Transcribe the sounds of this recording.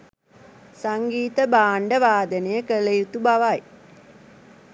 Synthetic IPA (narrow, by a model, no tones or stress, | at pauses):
saŋɡiːt̪əbaːɳɖəʋaːd̪ənejəkələjut̪ubaʋaj